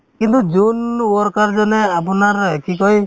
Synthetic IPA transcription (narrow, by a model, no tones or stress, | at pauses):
kint̪ud͡ʒunɔɾkaɾd͡ʒɔneap̬ɔnaɾekikɔj